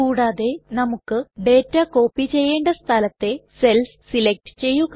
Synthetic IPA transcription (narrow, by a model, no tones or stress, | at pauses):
uːɽaːðe̞nɐmukːɨɖe̞ːtːako̞ːpːit͡ɕe̞jːe̞ːɳɖɐst̪ʰɐlɐt̪ːe̞se̞lssilek̚ʈɨ̥t͡ɕe̞jːuɣ